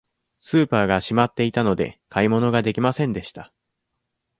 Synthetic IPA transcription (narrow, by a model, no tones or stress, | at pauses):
sɨːpaːɡaɕimat̪ːe̞it̪ano̞d̪e̞̰kʰaimo̞no̞ɡad̪e̞kʲimasẽ̞nd̪e̞ɕi̥t̪a